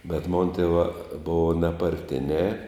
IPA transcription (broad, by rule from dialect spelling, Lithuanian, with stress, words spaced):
bʲɛt moːn tʲeːˈʋɑː ˈboːʋɐ nʲɛpɐrʲˈtʲɪnʲɛː